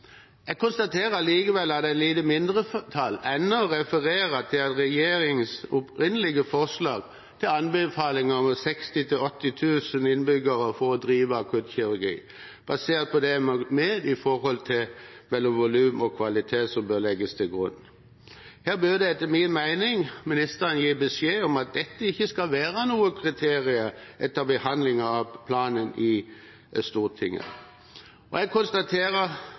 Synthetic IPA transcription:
ɛɡ̚kʰʊnst̪ɑt̪ʰeːɾəliːkəʋɛlːɑt̪d̪ɛæɪt̪liːt̪əmɪnd̪ʁət̪ʰɑlːɛnːəɾɛfəʁeːɾət̪ʰɪlɑt̪ɾɛjeːɾɪŋsʊpʁɪnːəlɪɡəfɔʁʂlɑ̰ːɡ | t̪ʰɪlɑnbəfɑːlɪŋəɔmsɛkst̪ɪt̪ʰɪlɔt̪ːɪt̪ʰʉːsənɪnbʏɡəɾəfɔɾɔd̪ɾiːʋəɑkʰʉt̪çɪɾʉɾɡḭː | b̥ɑseːʁt̪̚pʰɔd̪ɛmmeːd̪ɪfɔhɔlt̪ʰɪlmɛlːɔmʋʊlʉːmɔkʰʋɑlɪt̪ʰeːt̪sɔmbœɾlɛɡːəst̪ʰɪlɡʁʉnː | hæːʁbød̪ɛɛt̪ːəmɪnmæɪnɪŋmɪnɪst̪əɾənjiːbɛsjeːɔmɑt̪̚d̪ɛt̪ːəɪçːəskɑlʋæːʁənuːəkʰʁɪt̪ʰeːʁɪəʔɛt̪ːəbəhɑnd̪lɪŋəɑʋpʰlɑːnənʔɪ | st̪uːʁt̪ʰɪŋːə̰ | ʔɔɛɡ̚kʰʊnst̪ɑt̪ʰeːʁə

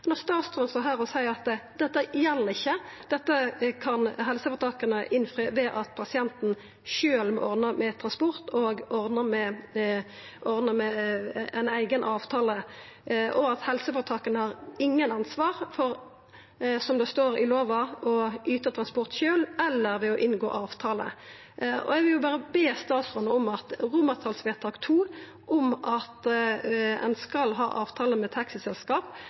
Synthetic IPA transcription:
nɔʁst̪ɑːt̪st̪ʁɾənst̪oːɦæːʁɔsæɪəɑt̪d̪ɛt̪ːəjɛlːəʁɪçːəd̪̥ɛt̪ːəkʰɑnɦɛlsəfɔt̪ʰɑːkənəʔɪnfɾyːʋɛʔɑt̪pʰɑsɪɛnt̪n̩ | ʃøːlmɔ̰ʔɔʁnəmɛt̪ʰʁɑnspɔʁt̪oːɡɔʁnəmɛ | ʔɔʁnəmɛæɪnæɪɡənʔɑːʋt̪ʰɑːlə | ʔɔɑt̪hɛlsəfɔʁt̪ʰɑːkənəhɑʁɪŋːənɑnsʋɑːʁfɔɾ | sɔmd̪ɛst̪oːʁɪ̰loːʋɑɔʔyːt̪ət̪ʰɾɑnspɔʁt̪ʃøːlɛlːəʁʋɛɔʔɪnɡo̰ːʔɑːʋt̪ʰɑːlə̰ | ʔɔ̰ɛɡʋɪljʊbɑːɾəbeːst̪ɑːsʁɔnəɔmɑt̪ʁʊməʁt̪ʰɑːlsʋeːt̪ʰɑːkt̪ʰuː | ʔɔmʔɑt̪ | ɛ̰nskɑlɦɑ̰ːʔɑːʋt̪ʰɑːləmɛt̪ʰɑksɪsɛlskɑːp

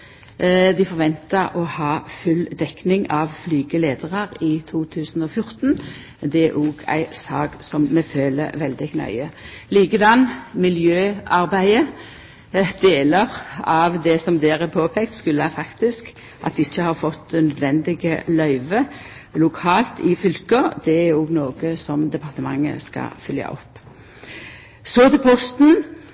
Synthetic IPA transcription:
d̪ɪfɔʁʋɛnt̪əʁɔhɑːfʉld̪ɛknɪŋɑʋflyːɡəleːd̪əʁɑʁɪt̪ʰuːt̪ʰʉːsn̩ɔːfjʊʁt̪n | d̪ɛæʔuːɡæ̰ɪsɑːɡsɔmːɛføːlə̰ʋɛld̪ɪknœ̰ʏəliːkəd̪ɑnːmɪljøːɑʁbæɪə | d̪eːləʁɑʋd̪ɛsɔmd̪eːɾɛpʰoːpʰɛk̚t̪skʉlːəhæfɑkt̪ɪsk | ʔɑt̪̚d̪ɛɪçːəhɑɾfɔt̪ːnœd̪ʋɛnd̪ɪɡəlœʏʋə | lʊkʰɑːlt̪ɪfʏlkəd̪̥ɛæɾɔɡnoːɡəsɔmd̪ɛpʰɑʁt̪əmɑŋːə̰skɑ̰fʏljɑ̰ʔɔ̰pː | sɔt̪ɛpʰɔst̪n̩

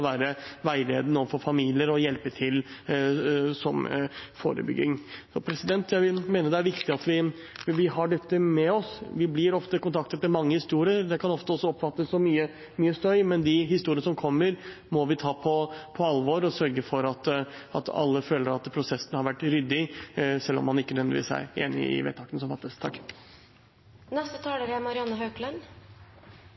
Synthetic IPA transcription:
ʋæːɾəʋæɪleːd̪nəɔːʋfɔɾfɑmiːlɪəɾɔjɛlpət̪ʰɪl | sɔmfo̰ːɾə̰bʏ̰ɡːɪ̰ŋsɔpʰɾɛsɪd̪ɛnt̪jæɪʋɪmeːnəd̪ɛæɾʋɪkt̪ɪɑt̪ʋɪ | ʋɪɦɑɖɛt̪ːəmɛɔsʋɪblɪɾɔft̪əkʊnt̪ʰɑkt̪ət̪mɛmɑŋːəhɪst̪uːɾɪəɾd̪ɛkʰɑnɔft̪əɔsːɔɔpfɑt̪ːəsːɔmyːə | myːəst̪œʏmɛnd̪ɪɦɪst̪uːɾɪənəsɔmkʰɔmːəɾ | mɔʋɪt̪ʰɑːpʰɔpʰɔɑlʋoɾɔsœɾɡəfɔɾɑt̪ɑ̰t̪ɑ̰lːəføːləɾɑt̪pʰɾʊsɛsnəhɑɾʋæʈːɾʏd̪ːɪsɛlːɔ̰mhɑnɪkːənœʋɛd̪ɪʋiːsæ̰ɾḛːnɪ̰ɪ̰ʋḛːt̪ʰɑːkənəsɔmfɑt̪ːəst̪ʰɑkː | nɛst̪ət̪ʰɑːləɾæmɑɾɪɑnːəɦøklɛn

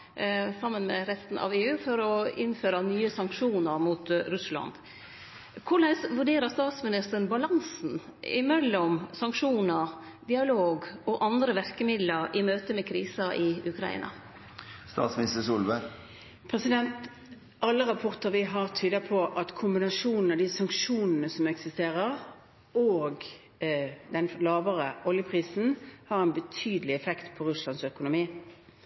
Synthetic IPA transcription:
sɑmːənmɛ̰ɾɛst̪n̩ʔɑ̰ʋeːʉːfɔɾɔɪnføːɾɑnyːəsɑŋkʂuːnəɾmut̪ɾʉslɑ̰nd̪̥ | kʰʊlæɪsʋʉɖeːɾəst̪ɑːt̪smɪnɪst̪əənbɑlɑnsn̩ɪ̰mɛlːɔmsɑŋkʂuːnəɾ | d̪ɪɑloːɡɔʔɑnd̪ɾəʋæɾkəmɪd̪ləɾɪmøːt̪əmɛkʰɾiːsɑʔɪʉkʰɾɑ̰ḭːnɑ̰ | st̪ɑ̰ːt̪smɪnɪst̪əsʊlʋə | pʰʁɛsɪd̪ɛnt̪ | ʔɑlːəʁɑpʰɔʁt̪əʁʋɪɦɑʁt̪ʰyːd̪əpʰɔʔɑt̪kʰʊmbɪnɑʃuːnn̩ɑd̪ɪsɑŋkʂuːnnəsɔmɛksɪst̪eːʁəʁ | oːɡ | d̪ɛnlɑːʋəʁəʔɔljəpʰʁiːsn̩hɑʁɛnbət̪ʰyːd̪əlɪɛfɛkt̪pʰɔʁʉslɑnsœkʊnʊmiː

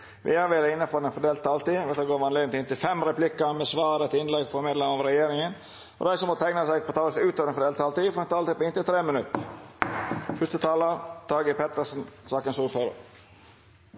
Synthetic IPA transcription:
ʋɪ̰ɑɾʋeːɾəɪnːəfɔɾɛnfɔd̪eːlt̪ʰːɑːlt̪iːʋɛt̪əɡoːɾʋɑnleɡd̪nt̪ɪnt̪ɪlfɛmɾɛplɪkːəmɛsʋɑːɾɛt̪ɪnlɛɡfɔɾmeːd̪lɛmɑʋɾɛjeːɾɪŋən | ɔ̰d̪æɪsɔmːɔt̪æɪnɑsæɪɡpʰɔt̪ʰɑːəsʉːt̪ɔʋd̪ɛnfɔd̪eːlt̪ʰːɑːlt̪iːfɔɾɛnt̪ʰɑːlt̪iːpɔɪnt̪ɪlt̪ʰɾeːmənʉt̪ːə | fʉst̪ət̪ʰɑːlət̪ʰɑːɡəpʰɛt̪əʂn̩sɑːkənsuːlfɔɾə̰

